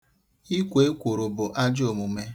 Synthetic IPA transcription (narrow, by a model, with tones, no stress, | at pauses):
i˦kʷe˨e˦kʷo˨ɾʊ˨bʊ˨ʔa˦d͡ʒo˨mu˨me˦